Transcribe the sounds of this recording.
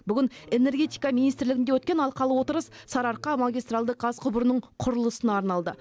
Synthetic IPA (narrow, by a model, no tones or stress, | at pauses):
bʏɡʲɪne̞ne̞ɾɡʲe̞t̪ijkɑminijst̪ɪɾlɪɡʲɪnd̪ewɵt̪kʲenɑlˠqɑlˠəwo̞t̪əɾəssɑɾɑɾqɑmaɡʲijst̪ɾɑlˠd̪əq̚qɑzqʰʊbəɾənəɴqʰʊɾəlˠəsənɑɾnɑlˠd̪ə